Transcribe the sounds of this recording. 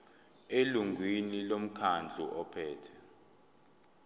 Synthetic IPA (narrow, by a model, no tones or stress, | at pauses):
eluŋɡʱwinilom̩kʰand͡ɮʱṵʔɔpʰɛːtʰɛ